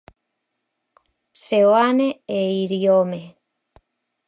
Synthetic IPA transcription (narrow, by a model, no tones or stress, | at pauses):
seoaneeiɾjome